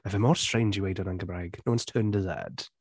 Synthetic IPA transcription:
ɪvəmɔːɹstɹ̥ẽɪ̃nd͡ʒəweɪdənãŋkəbɹaɪɡ̥nowə̃nstʰɜːndəðɛ̰d̥

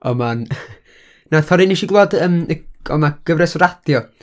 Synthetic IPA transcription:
ɔman | naθɔɾiniʃiɡlˠɔːdəməɔ̰maɡ̥əvrɛsrad̥jɔ

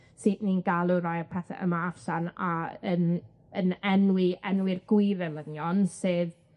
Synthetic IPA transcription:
sɨtninɡ̥alˠuɾajarpʰɛθɛ̰ʔə̰maafsanaən | ənɛnwɪɛnwɪrɡ̥wɪɾɛlənjɔnsɨð

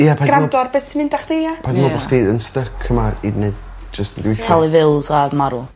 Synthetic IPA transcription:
japʰaɡɾadɔrbɛsmɪndaχd̥eapʰanɔaχdejdənstəkʰəmarinəd | d͡ʒəstəndutʰɛlˠɪvɪlˠzamaɾu

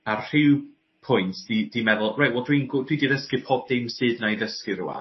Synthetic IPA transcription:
ar̥ɪw | pʰʊjntʰsd̥id̥imɛðʊlˠrajtwɛlˠdwinɡʊdwidiðəskɨpʰɔb̚d̥ɪmsɨːdnajðəskɨrʊ̰wa̰

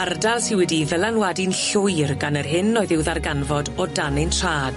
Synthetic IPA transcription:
ardalˠsɪwɛdivɛlˠanwadɪnɬʊjrɡanərɦɪnɔɨðɪwðarɡanvɔdɔdanɪntʰr̥aːd̥

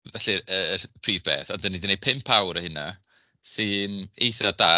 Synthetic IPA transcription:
vɛɬiəːpʰriːvbḛːθadənidinej̚pʰɪmpʰawɾəhɪna | sɨnejθɔda

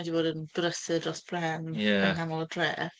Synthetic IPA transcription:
ɛdiboːdənd̥ʊɾəsɨdrɔsb̥rɛnanɡamɔlˠədrɛ̰ː

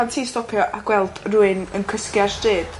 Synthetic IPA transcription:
antʰiːstɔpʰjɔʔaɡ̥wɛlˠd̥ruːɨnənkʰəskjarstɨːd̥

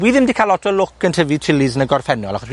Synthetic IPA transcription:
wiðɪmdikʰalɔdrɔlʊkəntʰəvitʰrɪlizənəɡɔrfɛnɔlˠaχɔswi

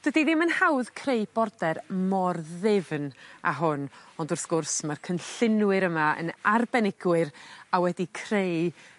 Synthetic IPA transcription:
d̥wədiðɪmənhawðkʰrejb̥ɔrdɛrmɔrðɪvna̰ɦʊnɔndʊrθɡ̥ʊrsmarkʰənɬɪnwɨɾəmaə̰narbɛnɪɡwɨɾawɛdikʰrej

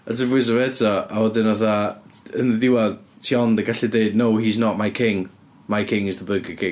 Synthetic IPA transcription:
ədəvɪzəvɛdɔawɔdɪnaθaənðəðɪwað | tʰiɔndəɡaɬideɨdnowhiznɔʔmajkʰɪŋ | majkʰɪ̃ŋɪzðəbəɡəkʰɪ̃

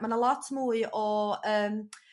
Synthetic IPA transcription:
mə̃nəlɔtʰmuːiʔɔəːm

